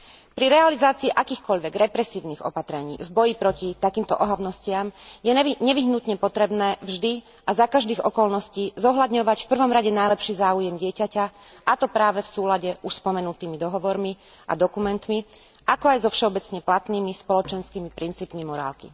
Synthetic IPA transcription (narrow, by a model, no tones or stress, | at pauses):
pɾiɾɛalizaːt͡siːʔakiːxkɔʎʋɛɡɾɛpɾɛsiːʊniɣɔ̰pat̪ɾɛɲḭːvbɔjipɾɔcit̪akiːmt̪ɔʔɔɦaʊnɔscɪamjɛɲɛʋiɦnut̪ɲɛpɔt̪ɾɛbnɛːvʒd̪i | ʔazakaʒd̪iːɣɔkɔlnɔsciːzɔɦlad̪ɲɔʋacfpr̩ʋɔmɾaɟɛnajlɛpʃiːzaːujɛmɟɪɛcaca | ʔat̪ɔpɾaːʋɛfsuːlaɟɛuʃspɔmɛnut̪iːmid̪ɔɦɔʋɔɾmi | ʔa̰d̪ɔkumɛnt̪miʔakɔajzɔfʃɛɔbɛt͡sɲɛplat̪niːmispɔlɔt͡ʃɛnskiːmipɾint͡siːpmimɔɾa̰ːlkḭ